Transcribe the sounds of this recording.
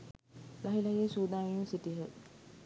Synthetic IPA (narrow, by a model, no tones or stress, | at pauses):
lɐɦilɐjeːsuːd̪aːnjuŋsiʈiɦə